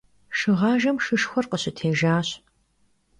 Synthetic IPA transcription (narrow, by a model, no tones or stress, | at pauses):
ʃɨʁɑːʒɐmʃɨʃxʷɔrqəɕɪtʰeːʒaːɕ